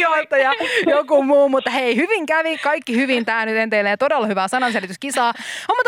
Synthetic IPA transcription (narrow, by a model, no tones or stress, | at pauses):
oit̪ːɑjɑjokumuːmut̪ːɑheihyʋiŋkæʋikɑikːihyʋint̪æːnyt̪ent̪eilːeːt̪odelːɑhyʋæːsɑnɑnselit̪yskisɑːomːut̪